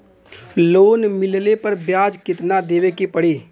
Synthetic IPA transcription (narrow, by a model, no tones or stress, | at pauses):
loːnmɪllepəɾbjaːd͡ʒkɪt̪nad̪eːʋekipəɽeː